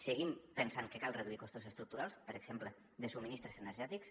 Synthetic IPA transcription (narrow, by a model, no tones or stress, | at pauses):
səɣimpənsaŋkəkalˠrəðuikɔst̪usəst̪ɾuk̚t̪uɾalˠspəɾəɡz̥emplə | ðəsuminist̪ɾəzənəɾʒɛt̪iks